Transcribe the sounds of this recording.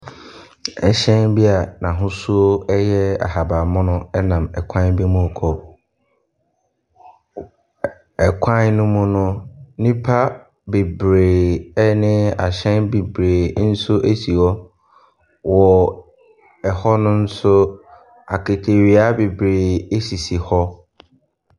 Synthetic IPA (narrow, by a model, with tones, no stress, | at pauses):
ɛ˨ɕɛ̃˦nbi˦a˨nã˨ɦʊ̃˦su˦o˦ɛ˦jɛ˦a̰˨ha˨ba˨mʊ̃˦nʊ̃˦ɛ˦nã˨mɛ˨kʷʰã˦n˦bi˦mʊ̃˦˨kʰɔ˨ | ɛ˨kʷʰã˦nnʊ̃˦mʊ̃˦nʊ̃˦nĩ˦pʰa˦ | be˨bɾeː˨ɛ˦nɪ̃˦a˨ɕɛ̃˦nbe˨bɾeː˨n̩˦sʊ˦ʔe˦si˨ɔ˦ | wɔ˨ | ɛ˨hɔ˦nʊ̃˦n̩˦sʊ˦ | a̰˨kʰe˨tʰe˨ɾi˨a˦be˨bɾeː˨e˦si˨si˨hɔ˦